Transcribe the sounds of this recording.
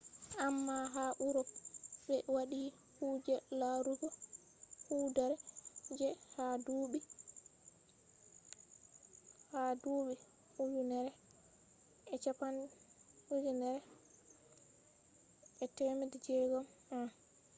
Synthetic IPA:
ʔamːaɦaʔuɾɔpbɛwaɗi | hud͡ʒɛlaɾuɡɔ | hudaɾɛd͡ʒɛhaduːɓi | haduɓi | hud͡ʒunɛɾɛ | ɛt͡ʃapanwud͡ʒunɛɾɛ | ɛtɛmidid͡ʒɛɡɔma

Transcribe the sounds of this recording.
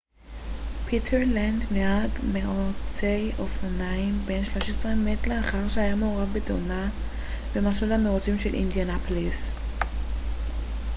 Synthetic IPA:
pʰit̪ʰeʁlandmeaɡmeʁot͡sejofanaimbe̞nʃlo̞ʃesʁemetleaχaʁʃeajamooʁavbeto̰na | bemasulameʁot͡simʃelʔḭnd̪ianapolis

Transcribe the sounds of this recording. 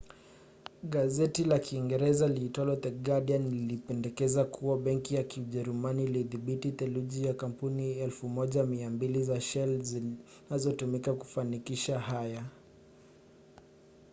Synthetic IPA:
ɠazɛtilakiːŋɡɛɾɛzalitɔlɔt̪ɛɡaɗianiilipɛndɛkɛzakʰuwaɓɛŋkijakiuʄɛɾumaniːliðiɓitit̪ɛluʄijakampuniɛlfumɔʄamiambilizaʃɛlzi | nazɔtumikaku̥fanikiʃaɦaja

